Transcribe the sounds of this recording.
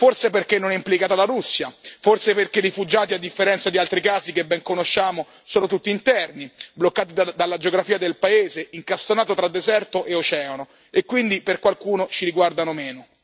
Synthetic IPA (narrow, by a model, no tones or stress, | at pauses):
forseperk̟enːonɛimplikaːt̪alaɾusːjaforseperkerifud͡ʒaːt̪iad̪ːifːeɾɛnt̪sad̪ialt̪ɾikaːzikebːɛŋkonoʃːaːmo | soːnot̪ut̪ːiːnt̪ɛrniblokːaːt̪id̪alːad͡ʒeoɡɾafiːad̪elpaeːzeiŋkast̪onaːt̪ot̪ɾad̪ːezɛrt̪oʔeot͡ʃɛːono | ekːwind̪iperkwalkuːnot͡ʃiɾiɡward̪anomeːno